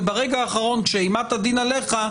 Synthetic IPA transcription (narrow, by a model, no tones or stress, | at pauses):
baʁeɡaaːχaʁo̞nʃeimat̪ad̪inaleχa